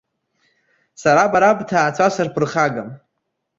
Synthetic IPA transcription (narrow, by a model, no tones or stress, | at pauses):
saɾabaɾabtʰaːt͡sʷʰasarpʰɨrχaɡam